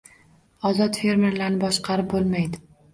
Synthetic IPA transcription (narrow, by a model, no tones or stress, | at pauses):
ɒzɒt̪fe̞ɾme̞ɾlaɾnɪbɒʃqʰɑɾɪp̚bolˠmajd̪ɪ